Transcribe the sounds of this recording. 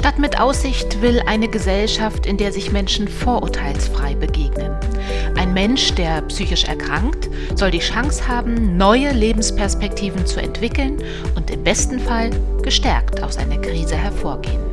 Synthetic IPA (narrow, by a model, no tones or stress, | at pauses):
ʃtatmɪtʔa̰ʊsz̥ɪçtv̥ɪlʔaɪnəɡəzɛlʃaftɪndeːɐzɪçmɛnʃn̩foːɐʔʊɐtʰaɪlsfʁ̥aɪbəɡeːɡnən | ʔaɪnmɛnʃd̥eːɐpsyːçɪʃɛ̰ɐkʁ̥aŋkt | z̥ɔldiːʃaŋshaːbm̩nɔʏəleːbm̩spʰɛɐspɛk̚tʰiːvn̩t͡suɛ̰ntv̥ɪkl̩n | ʔʊntɪmbɛstn̩falɡ̥əʃtɛɐktʰaʊfsʔa̰ɪnɐkʁ̥iːzəhɛɐfoːɐɡḛːən